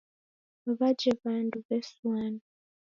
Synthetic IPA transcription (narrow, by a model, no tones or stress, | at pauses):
aβad͡ʒɛβanduβɛswanu